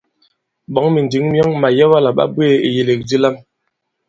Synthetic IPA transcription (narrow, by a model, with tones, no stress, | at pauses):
ɓɔ˨˦ŋmi˨n˨di˨˦ŋm˦ɔ˦ŋma˨jɛ˦wa˦la˨ɓa̰˦bwe˦˨ḛ˨je˨le˨k̚di˦la˦m